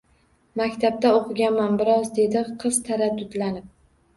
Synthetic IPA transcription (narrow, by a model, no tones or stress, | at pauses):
makʲt̪ʰab̚t̪aoqʰɨɡʲanmanbɪɾɒzd̪e̞d̪ɪqʰɨz̥t̪ʰaɾad̪ːʊd̪lanɪp̚